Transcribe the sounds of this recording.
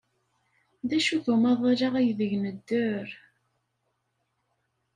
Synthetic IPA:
ðæʃuθumɑðˤaɾɑʁæjðəʝnəd̪ːəɾ

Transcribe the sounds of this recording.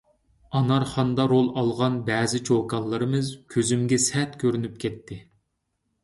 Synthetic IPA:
ɑnɑɾχɑnd̪ɑɾolˠɑlˠʁɑnbɛːzɪt͡ʃʰokɑlˠːɨɾɨmɨzkʲʰøzymɡʲɛsɛt̪kʲʰøɾynyp̚kʲʰɛt̪ʰːɪ

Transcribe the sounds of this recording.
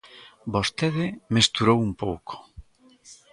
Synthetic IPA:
bost̪eðɪmest̪uɾowumpowkʰo̥

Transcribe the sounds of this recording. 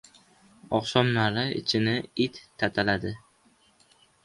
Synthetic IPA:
ɒqsɒmnaɾɪɪ̰t͡ʃʰɪnɪɪt̪ʰːat̪ʰalad̪ɪ

